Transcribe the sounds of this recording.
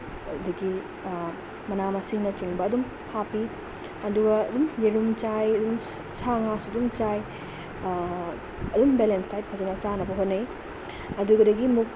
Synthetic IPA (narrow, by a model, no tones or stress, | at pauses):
ɐdɐɡi | mɐnamɐsiŋnɐt͡ʃiŋbɐːdum | hapi | ɐduɡɐːdumjeɾumt͡ʃajɐdum | saŋasɐdumt͡ʃaj | ɐdumbelenstajt̚pʰɐzɐnɐt͡ʃanɐbɐɦotnːe | ɐduɡɐdɐɡimuk̚